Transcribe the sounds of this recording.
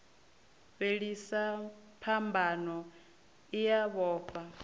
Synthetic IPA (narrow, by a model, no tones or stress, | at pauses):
βeɺisa | pʰambʱanɔ | ijaβɔːɸa